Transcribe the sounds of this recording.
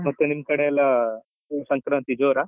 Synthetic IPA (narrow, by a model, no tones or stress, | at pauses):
mɐt̪ənimkəɽala | səŋkɾə̃nt̪id͡zoːɾa